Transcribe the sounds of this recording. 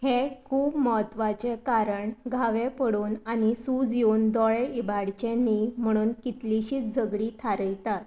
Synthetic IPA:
hekʰuːbməɦət̪ʋat͡ɕekaɾəɳɡʱaʋepəɽuːnanisud͡zjuːnd̪ɔɭeʔibaɽt͡ɕẽnːim̤əɽ̃uːnkit̪liɕiːt͡sd͡zʱəɡɽiːt̪ʰaɾəjt̪at̪

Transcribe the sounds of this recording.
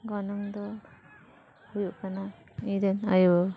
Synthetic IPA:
ɡɔnɔŋd̪ɔ | hujuʔkana | id̪enajuɔ

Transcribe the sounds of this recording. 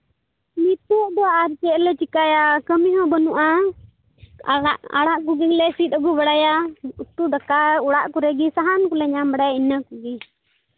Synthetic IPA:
mit̪ɔʔd̪ɔaaɾt͡ʃɛʔlɛt͡ʃikajakəmiɦɔ̃bənuʔa | aʔa̰ɽaʔkuɡiŋlɛsit̪̚ˀəɡubaɽajaut̪ud̪akauɽaʔkuɾɛɡisaɦankɔlɛɲambaɽajainakuɡɛ

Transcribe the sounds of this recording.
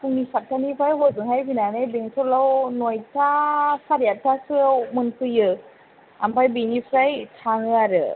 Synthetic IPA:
pʰuŋnisap̚tʰanipʰajɦɔzɯŋhajbinanɯjbeŋtʰɔlawnojtʰasaɾijatʰasɯawmɯnpʰɯjɯ | ampʰajbinipʰɾajtʰaŋɯaɾɯ

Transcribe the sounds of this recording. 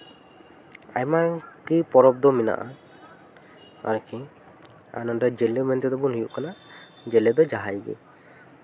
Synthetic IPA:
a̰jmaɾkipɔɾɔb̚d̪ɔmina̰ʔa | a̰ɾki | a̰nɔndɔd͡ʒɛlɛmɛnt̪ɛd̪ɔbunɦujuʔkana | d͡ʒɛlɛd̪ɔd͡ʒaɦajɡḭ

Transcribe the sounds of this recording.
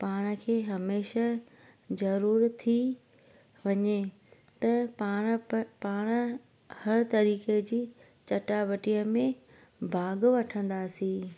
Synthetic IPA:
paːɽ̃ə̆kʰeːɦɐmeːʃa | zɐɾuːɾt̪ʰi | ʋɐɲe | t̪ɐpaːɽ̃paːɽ̃ə | hɐɾt̪ɐɾiːked͡ʑiː | t͡ɕɐʈaʋəʈijəmẽ | bʱaːɡʋɐʈʰə̃nd̪aːsĩː

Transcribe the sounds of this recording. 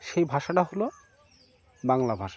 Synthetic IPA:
ʃejbʱaʃaʈaɦolo | baŋlabʱaʃa

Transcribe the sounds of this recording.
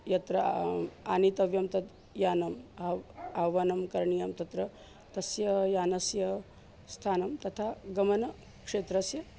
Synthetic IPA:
jɐt̪ɾɐaːnit̪ɐʋjɐmt̪ɐt̪ | jaːnɐmɐɐʋɐnɐmkɐɾɳijɐmt̪ɐt̪ɾɐ | t̪ɐsjɐjaːnɐsjɐ | st̪ʰaːnɐmt̪ɐt̪ʰaːɡɐmɐnɐ | kʂeːt̪ɾɐsjɐ

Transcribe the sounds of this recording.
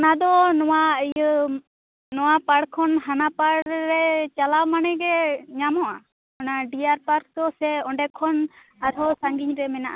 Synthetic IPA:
ɔnad̪ɔnɔwaəjə | nɔwapaɽkʰɔnɦanapaɽːɛt͡ʃalawmanɛɡɛɲamɔʔa | ɔnaɖijaɾpaɾk̚d̪ɔsɛɔɳɖɛkʰːɔn | aɾɔsaŋɡiɲɾɛmɛnaʔa

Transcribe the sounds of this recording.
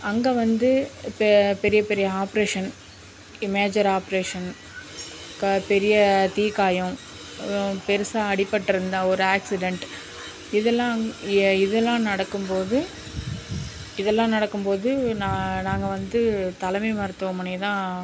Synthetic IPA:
ɐŋɡeːʋɐnd̪ɯppɛɾɪjɐpɛɾɪjɐaːpɐɾeːʂɐn | ɪmeːd͡ʒɐɾaːpɾeːʂɐn | kpɛɾɪjɐt̪iːkaːjɐ̃ | pɛɾɯsaːɐɽɪpːɐʈːɪɾɯnd̪ãɔɾɯaːksɪɖɛɳʈ | ɪðɛlːãːɪðɛlːãːnɐɽɐkːɯmpoːðɯ | ɪðɛlːãːnɐɽɐkːɯmpoːðɯnanaːŋɡɐʋɐnd̪ɯt̪ɐlɐmɐɪmɐɾɯt̪ːɯʋɐmɐnɐt̪ãː

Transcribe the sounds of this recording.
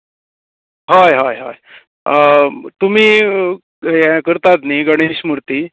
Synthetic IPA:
ɦajɦajɦa̰j | t̪um̤iː | jakəɾt̪at̪niːɡəɽ̃iɕmuɾt̪iː

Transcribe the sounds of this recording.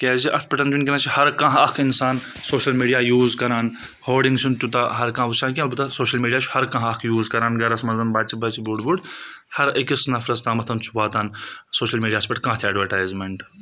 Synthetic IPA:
kɛːziʔɐt̪̚ʰpɐʈɐnd͡ʒunkʲɐnãːt͡ʃʰihɐɾkãɦɐkʰinsaːn | soːʃɐlmiːɖijaːjuːzkɐɾaːn | hoːɖiŋɡt͡ʃʰunt̪ut̪ɐɦɐɾkãːut͡ʃʰãːk̬ʲĩlbut̪asoːʃɐlmiːɖijaːt͡ʃʰu̥hɐɾkɐ̃ɦɐkʰjuːzkɐɾaːnɡɐɾɐsmɐnzɐnbaːt͡ʃʰibɐt͡ʃʰibuɖbuɖhɐɾikisnɐfɾɐst̪aːmɐt̪ʰɐnt͡ʃʰu̥ʋaːt̪aːnsoːʃɐlmiːɖijaːspɐʈkãːt̪ʰʲɐːɖʋɐɾʈaːjzmeɳʈ

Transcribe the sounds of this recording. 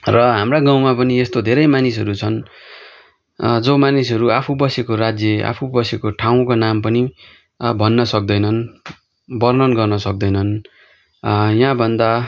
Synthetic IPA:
rʌɦamraɡaw̃mapʌniest̪od̪ʱeɾʌjmanisɦʌɾut͡sʰʌn | d͡zomanisʌɾuapʰubʌsekoɾad͡zjʌa̰pʰubʌsekoʈʰaw̃konampʌni | bʱʌnːʌsʌk̚d̪ʌjnʌn | bʌrnʌnɡʌrnʌsʌk̚d̪ʌjnʌn | jãbʱʌnd̪a

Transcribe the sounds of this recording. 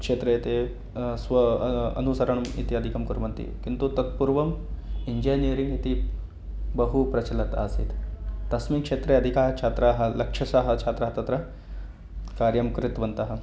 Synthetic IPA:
kʂeːt̪ɾɐt̪e | sʋɐɐ̰nusɐɾɐɳɐmḭt̪iɐd̪ʱikɐmkuɾɐmɐnt̪ḭkint̪ut̪ɐt̪̚puɾʋɐmiɲd͡ʒenijɐɾiŋɡit̪i | bɐɦupɾɐt͡ʃɐlɐt̪a̰ːsḭt̪t̪ɐsmikʂeːt̪ɾeɐd̪ʱikaːɾkt͡ʃʰaːt̪ɾaːɦɐ̆lɐkʂɐsɐɦɐt͡ʃʰaːt̪ɾaɦɐt̪ɐt̪ɾɐ | kaːɾjɐmkɾɪt̪ʋɐnt̪ɐɦɐ̆

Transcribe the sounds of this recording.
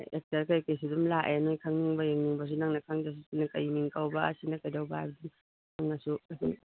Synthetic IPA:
ek̚tɐɾkajkes̬idumlaʔenojkʰaŋniŋbɐjeŋniŋbɐs̬unaŋnɐkʰaŋdas̬usinakɐjmiŋkawbɐɐ̰sinɐkɐjdawbaajbɐdum | naŋnɐsuasin

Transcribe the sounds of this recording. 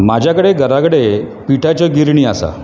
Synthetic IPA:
mad͡ʑʱjakəɽeɡəɾakəɽe | piʈʰat͡ɕəɡiɾɳiːasa̰

